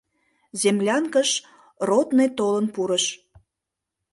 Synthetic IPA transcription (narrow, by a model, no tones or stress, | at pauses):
zemlʲɑnkəʃ | rot̪net̪olənpuɾəʃ